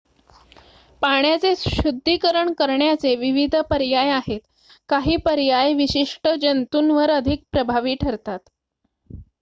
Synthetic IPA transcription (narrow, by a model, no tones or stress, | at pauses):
paɳjat͡seɕud̪ʱːikəɾəɳkəɾɳjat͡seʋiʋid̪ʱəpəɾjajaɦet̪ | kaɦiːpəɾjajʋiɕiʂʈəd͡ʑənt̪unʋəɾəd̪ʱik̚pɾəbʱaʋiːʈʰəɾt̪at̪